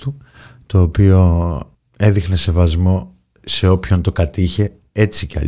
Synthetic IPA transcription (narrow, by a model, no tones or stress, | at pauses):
t̪u | t̪o̞ːpio̞ | e̞ðixne̞se̞vɐzmo̞ | se̞o̞pço̞nt̪o̞kɐt̪içe̞ | e̞t͡siceɐ̰